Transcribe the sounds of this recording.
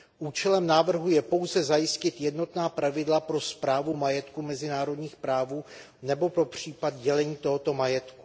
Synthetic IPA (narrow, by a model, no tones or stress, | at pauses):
ʔuːt͡ʃɛlɛmnaːvr̩ɦujɛpo̞wzɛzajɪscɪt̪jɛdno̞t̪naːpɾavɪdlapɾo̞spɾaːvumajɛt̪kumɛzɪnaːɾo̞dɲiːxpɾaːvuː | nɛbo̞pɾo̞pr̝̥iːpad̪ɟɛlɛɲiːt̪o̞ɦot̪o̞majɛt̪ku̥